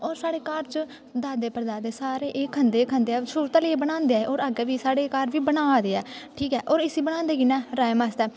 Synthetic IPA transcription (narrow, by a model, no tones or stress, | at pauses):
ɔːɾsaːɽeːkaɾt͡ʃ | d̪aːd̪eːpəɾd̪aːd̪eːsaːɾeːʔeːkʰənd̪eːkʰənd̪eːɛːt͡ʃʊɾt̪alieːbəñãːnd̪eɛːʔoːɾəɡɛʋiːsaːɽeːkaːɾʋiːbənaːd̪eːɛːʈʰiːkɛːʔɔːɾɪsiːbəɽ̃ãːnd̪eːɡiːnɛ̃ːɾaːemaːst̪ɛː